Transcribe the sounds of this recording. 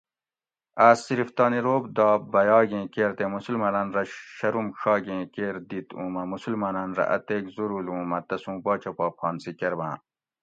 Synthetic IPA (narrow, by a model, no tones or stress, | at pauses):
aːsiɾift̪ɑːniɾoːbd̪ɑːbɐjɑːɡẽːkeːɾt̪emusulmɐnanɾɐɕɐɾumɕɑːɡẽːkeːɾd̪it̪ũːmɐmusulmaːnanɾɐ̰ʔɐ̰t̪eːkzuɾulũːmɐt̪ɐsũːbɑːt͡ɕʰɐpɑːp̚ʰɑːnsikeɾbã̰ː